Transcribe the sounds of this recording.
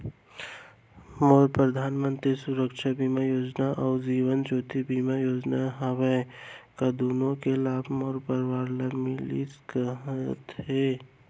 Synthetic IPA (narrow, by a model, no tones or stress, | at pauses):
moːɾpɾəd̪ʱaːnmə̃nt̪ɾisʊɾəkʃabiːmajoːd͡ʒnaʔɔːɾd͡ʒiːwənt͡ʃoːt̪ibiːmajoːd͡ʒnaɦaʋə | kad̪oːnõkelaːbʱmoːɾpəɾwaːɾləmɪlḭskəɦt̪ɦeː